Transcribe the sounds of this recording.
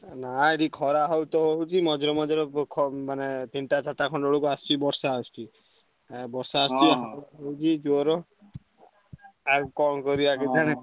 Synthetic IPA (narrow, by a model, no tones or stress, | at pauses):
naeʈikʰɔɾaɦɔwt̪ɔɦoɦut͡ʃʰimɔd͡ʒɔɾɔmɔd͡ʒɔɾɔkʰɔmanet̪iɳʈat͡ʃʰaʈakʰɔ̃ɳɖɔɭukuast͡ʃibɔɾsaɔst͡ʃi | bɔɾsaɔst͡ʃiaaut͡ʃʰid͡ʒoɾɔ | akɔmkɔɾiaked̪ʰʱaɽ̃e